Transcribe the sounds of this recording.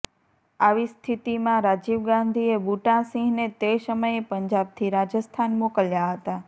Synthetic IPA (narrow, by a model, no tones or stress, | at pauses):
aʋist̪ʰit̪imãɾad͡ʒiʋɡãnd̪ʱiebuʈãsĩɡnet̪esəməjepəɲd͡ʒab̚t̪ʰiɾad͡ʒəst̪ʰanmokəljaɦət̪a